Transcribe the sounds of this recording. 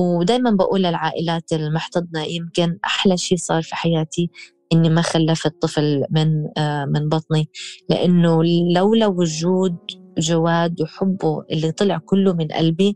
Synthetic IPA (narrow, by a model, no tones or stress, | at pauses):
wd̪aːjmanbaʔuːlɪlʕaːʔɪlaːt̪ɪlmʊħt̪ɑd̪̚ˤnɑjɪmkɪnʔa̰ħlaʃiːsˤɑːɾˤfiħajaːt̪i | ʔɪnːimaxalːafɨt̪ˤːɨflmɪnmɪnbɑt̪ˤnilɪ̰ʔanːʊlawlawʊd͡ʒuːd̪̚ʒawaːd̪wħʊbːuʔɪlːit̪ˤɨlɪʕkʊlːʊmɪnʔa̰lbi